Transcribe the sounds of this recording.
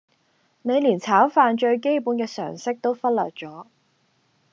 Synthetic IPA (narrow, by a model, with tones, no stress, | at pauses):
ne˨˧jliː˨˩nt͡sʰaː˨˥wfaː˧nt͡ʃɵ˧ɥk̬e˥jpuː˨˥nkɛː˧sœ̰ː˨˩ŋsɪ˥k̚t̪o˥wfɐ˥t̚lœ̰ː˨t̚t͡sɔː˨˥